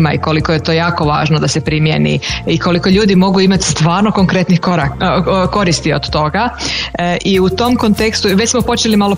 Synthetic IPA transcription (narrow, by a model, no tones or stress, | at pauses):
ma̰iko̞liko̞jet̪o̞jaːko̞ʋa̰ːʒnod̪asepɾimjḛnḭiko̞liko̞ʎuːd̪imo̞ɡuimat̪st̪ʋaːɾno̞ko̞ŋkɾe̞t̪nixoɾako̞ɾist̪io̰d̪̥t̪o̞ɡa | ʔiut̪o̞mko̞nt̪e̞kst̪uʋecʲsmo̞po̞t͡ʃelimalo̞